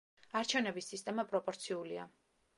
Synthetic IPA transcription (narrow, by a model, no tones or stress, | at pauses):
aɾt͡ʃʰɛvnɛbisːist̪ʼɛmapʼɾɔpʼɔɾt̪sʰiulia̰